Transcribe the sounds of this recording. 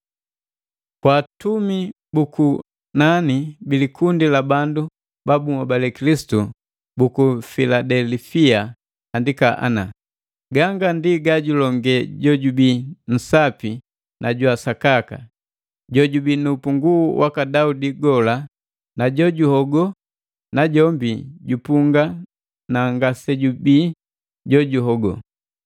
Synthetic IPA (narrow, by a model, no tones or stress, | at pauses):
kwaːtumi | buku | nanibilikundilabandu | babumabalɛkilisi̥tu | bukufiladɛlfia | andikaʔa̰na̰ | ɡaŋɡandiɡaɟulɔŋɡɛɟɔɟubin̩sapi | nʔaɟwasakaka̰ | ɟɔɟubinupuŋɡuwakadaudiɡɔla | naɟɔɟuhɔɡɔ | naɟɔmbiɟupuŋɡa | naŋɡasɛɟubiː | ɟɔɟuɦɔɡɔ̰